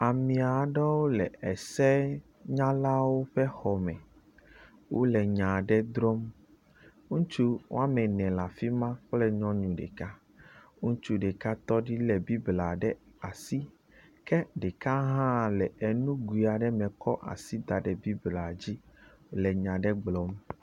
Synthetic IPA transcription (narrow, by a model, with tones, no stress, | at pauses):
a˨mĩ˨a˨ɖɛ˦wo˦lɛ˨ɛ˨sɛ˦ | ɲã˦la˦wo˦ɸɛ˦xɔ˨mɛ̃˨ | wo̰˦lɛ˨ɲã˨ɖɛ˦d̪ɾɔ˦m | ŋũ˦t͡ʃu˦w̰a˦mɛ̃˨nɛ̃˨la˨fi˦mã˦k͡plɛ˦ɲɔ̃˦ɲũ˨ɖɛ̰˨ka˦ | ŋũ˦t͡ʃu˦ɖe˨ka˦t̪ɔ˦ɖi˦lɛ˨bi˦bla˨ɖɛ˦a˨si˦ | kɛ˦ɖɛ˨ka˦ɦã˦˨lɛ˨ɛ˨nũ˦ɡu˨i˨a˨ɖɛ˦mɛ̃˨kʰɔ˦ʔa̰˨si˦d̪a˨ɖɛ˨bi˦bla˨d͡ʑi˦wo˦lɛ˨ɲã˨ɖɛ˦ɡ͡blɔ˨˦m